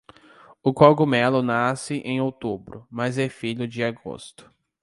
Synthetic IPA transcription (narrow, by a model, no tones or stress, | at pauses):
ʊkaɡʊmɛlʊnasɪʔẽj̃owt̪ubɾʊ̰mazɛfiʎʊd͡ʒɪaɡo̰st̪ʊ̥